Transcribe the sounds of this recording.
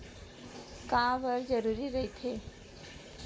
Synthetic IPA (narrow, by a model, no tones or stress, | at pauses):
kãʋəɾd͡ʒəɾuːɾiɾəɦt̪ʰe